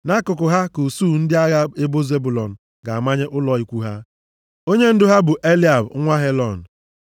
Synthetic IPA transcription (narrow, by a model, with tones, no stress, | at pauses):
na˦kʊ˨kʊ˨ɦa˦ku˨suː˦˨n̩˦dɪ˦a˦ɣa˦e˦bo˦ze˦bu˨lɔ˨n̩˨ | ɡa˨a˨ma˦ɲe˦ʔʊ˦lɔ˨i˦kʷu˦ɦa˦ | o˦ɲe˦n̩˦dʊ˦ɦa˦bʊ˨ʔe˦li˦a˨bŋʷa˦ɦe˦lɔ˨n̩˨